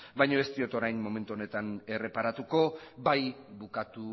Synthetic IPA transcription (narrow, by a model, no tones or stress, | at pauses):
bajɲo̞e̞st̪io̞t̪o̞ɾajːo̞me̞nt̪uo̞ne̞t̪ane̞re̞paɾat̪uko̞bajbukat̪u